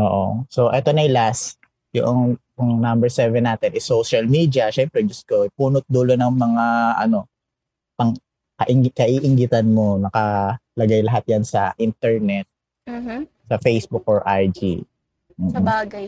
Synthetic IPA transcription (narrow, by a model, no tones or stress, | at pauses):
ʔoːʔoso̞ʔɛt̪o̞nɐjlas | jʊ̰ʔoŋ | ʊŋnambɛɹsɛvɛnːaːt̪ɛnʔɪsoʃɐlmiːd̪iɐʃɛmpɾɛd͡ʒɐsɡ̥opuːnʊt̪̚d̪ulonɐŋmɐŋaʔɐno̞ | pɐŋ | kɐʔkɐʔiʔɪŋɡɪt̪ɐnmo̞nɐkɐlɐɡajlɐɦat̪̚jansɐ̰ʔint̪ɛɹnɛt̪̩̚ː | sɐfejsbʊk̚ʔɔɹʔajd͡ʒḭː | a